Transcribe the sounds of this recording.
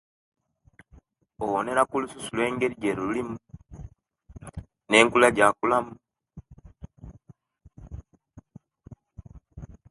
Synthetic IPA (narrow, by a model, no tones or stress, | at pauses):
owone̞ɾakulususulwe̞ːŋɡe̞ɾiɟeɾuulimu | ne̞ːŋkulaɟakulamu